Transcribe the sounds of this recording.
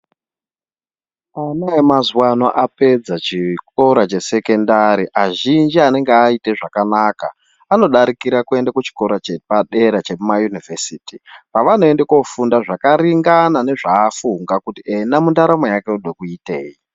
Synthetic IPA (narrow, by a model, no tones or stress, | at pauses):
anaemazwanoʔape̞d͡zat͡ʃikoɾat͡ʃe̞se̞ke̞ndaɾiʔaʒind͡ʒiane̞ŋɡeaite̞ʐakanaːka̰ | ano̞ɗaɾikiɾakue̞ndakut͡ʃi̥ko̞ɾat͡ʃepaɗe̞ɾat͡ʃe̞mumajunivʱesiːtipaʋanoendeko̞fundaʐakaɾiŋɡanane̞ʐaːfuŋɡakutienamundaɾamojake̞uɗwekuite̞̰ːi